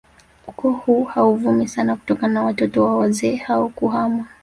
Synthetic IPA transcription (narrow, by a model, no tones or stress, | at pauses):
ukɔhuːhauvumisanaku̥tɔkananawatɔtɔwaɔwazɛːhaɔkuɦama